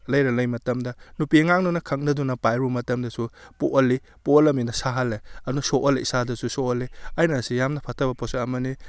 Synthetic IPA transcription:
lɐjɾɐlɐjmɐtɐmdɐnupiŋaŋnunɐkʰɐk̚nɐdunɐpajɾumɐtɐmdɐsupo̰ʔɐlːi | poɐlɐminɐsaɦɐlːeɐnusoʔɐleisadɐsusoɐleajnasijamnɐpʰɐtʰɐbɐposaɐmɐni

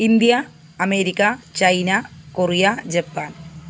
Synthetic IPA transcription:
ind̪ijɐː | meːɾikʲːɐt͡ɕɐjnakorijad͡ʑɐpːaːn

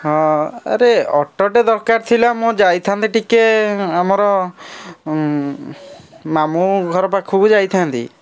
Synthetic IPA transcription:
ɦɔ̃a̰ɾeɔʈːɔʈed̪ɔɾkaɾt̪ʰilamũd͡ʒajt̪ʰant̪iʈikeamɔɾɔ | mamuɡʱɔɾɔp̬akʰubud͡ʒajt̪ʰant̪ḭ

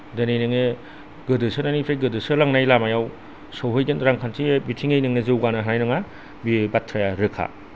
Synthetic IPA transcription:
dɯnejnɯŋe | ɡɯdɯsɯnanipʰajɡɯdɯsɯlaŋnajlamajaw | sɔwɦɯjɡɯnɾaŋkʰantʰibitʰiŋejnɯŋnezɯwɡanaɦanajnɯŋa | bibatʰːɾajaɾɯkʰa̰

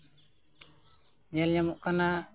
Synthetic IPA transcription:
d͡ʒɛljamuʔkana

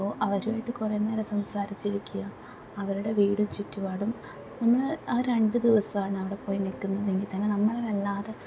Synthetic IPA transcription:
oːʔɐʋɐɾumajʈːɨkureːnːeːɾesɐmsaːɾit͡ɕːiɾikʲːujɐ | ɐʋɐɾuɽe̞ʋiːɽumt͡ɕitːuʋaːɽum | nɐmːɐɭaːɾe̞ɳɖɨd̪iʋɐsɐmaːɳɨɐʋiɽe̞po̞ːjinilkːunːɐðe̞ŋɡilt̪ɐnenɐmːɐɭɐlɐlːaːðe

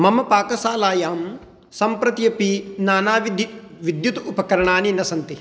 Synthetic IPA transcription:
mɐmɐpaːkɐsaːlaːjaːm | sɐmpɾɐt̪jɐpinaːnaːʋid̪j | ʋid̪jut̪upɐkɐɾɐɳaːninɐsɐnt̪i

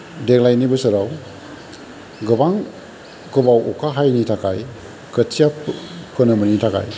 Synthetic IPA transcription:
deklajnibɯsɐɾaw | ɡɯbaŋ | kɯbawʔɔkʰaɦajnitʰakʰa̰j | kʰət͡ʃijappʰɯnɐmɯnitʰakʰa̰j

